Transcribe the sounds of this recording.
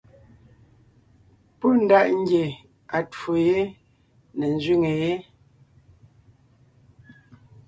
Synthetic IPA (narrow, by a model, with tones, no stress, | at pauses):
po˦˨n̩˦da˦ʔŋ̩˦ɡje˨ | a˨to˨je˦ | nɛ˨n̩˦˨zɥi˦ŋe˨je˦